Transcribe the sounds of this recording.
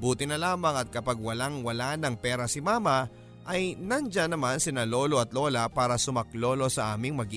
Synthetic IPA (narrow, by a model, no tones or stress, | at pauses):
buːt̪ɪnɐlaːmɐŋɐt̪̚kɐpɐɡ̚wɐlaŋwɐlanɐŋpɛːɾɐsɪmaːmɐ | ʔɐjnɐnd͡ʒanɐmansɪnɐlo̞ːlo̞ʔɐt̪lo̞ːlɐpaːɾɐsʊmɐklo̞ːlo̞sɐʔaːmɪŋmɐɡi